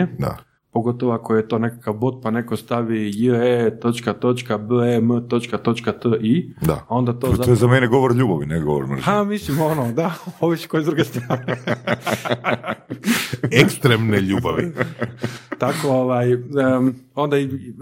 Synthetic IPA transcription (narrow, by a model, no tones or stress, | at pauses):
ed̪a̰ | po̞ɡo̞t̪o̞ʋoako̞jet̪o̞ːne̞kakaʋbot̪̚pane̞kost̪aʋijəet̪o̞t͡ʃkat̪o̞t͡ʃkabəemt̪o̞t͡ʃkat̪o̞t͡ʃkat̪əʔid̪a̰ao̞nd̪at̪ozojezameneɡo̞ʋoɾʎuːbaʋineɡoʋo̰ɾmr̩amislimonod̪aoʋiskojed̪ɾuɡest̪ɾaːɾni | ekst̪ɾemneʎuːbaʋḭ | t̪ako̞oʋaːjə | o̞nd̪ai